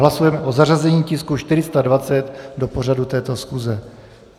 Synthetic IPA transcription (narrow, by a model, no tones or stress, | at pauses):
lasujɛmɛʔo̞zarazɛɲiːcɪskuʃt̪ɪɾɪst̪advat͡sɛt̪do̞po̞radut̪ɛːt̪o̞sxuzɛ